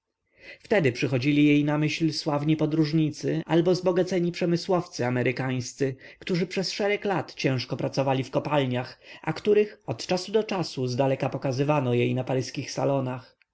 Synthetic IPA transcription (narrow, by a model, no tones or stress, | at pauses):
ft̪ɛd̪ɘpʂɘxɔd͡ʑilʲijejnamɘɕlswavɲipɔd̪ɾuʐɲit̪sɘalbɔzbɔɡat̪sɛɲipʂɛmɘswɔft̪sɘamɛɾʔɘkaj̃st̪sɘkt̪uʐɘpʂɛsʂɛɾɛklat̪t͡ɕɛ̃w̃ʂkɔpɾat̪sɔvalʲifkɔpalɲaxa̰kt̪uɾɘxɔt̪t͡ʂasud̪ɔt͡ʂasuzd̪alɛkapɔkazɘvanɔjejnapaɾɘskʲixsa̰lɔnax